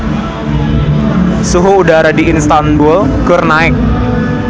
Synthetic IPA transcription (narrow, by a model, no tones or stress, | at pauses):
suɦuːdaɾadiɪnst̪anbʊlkərnaɪk̚